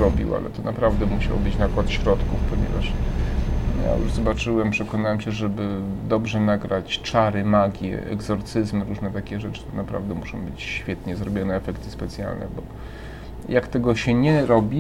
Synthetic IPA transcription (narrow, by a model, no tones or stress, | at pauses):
ɾɔbʲḭwa̰lɛ̰t̪ɔnapɾavd̪ɛmuɕa̰wɔ̰bɘt͡ɕnakwat̪ɕɾɔt̪kufpɔɲɛ̰vaʂ | ja̰jṵʐzɔbat͡ʂɘwɛmpʂɛkɔnawɛmɕɛʐɛbɘd̪ɔbʐɛnaɡɾat͡ɕt͡ʂaɾɘmaɡʲjɛ̰ɛ̰ɡzɔɾt̪sɘzmɾuʐnɛt̪akʲɛʐɛt͡ʂɘ̥t̪ɔnapɾa̰vd̪ɛmuʂɔ̃w̃bɘt͡ɕɕfʲjɛt̪ɲɛzɾɔbʲjɔnɛːfɛkt̪ɘ̥spɛt̪sʲja̰lnɛ̰bɔ | jakt̪ɛɡɔɕɛɲɛɾɔbʲi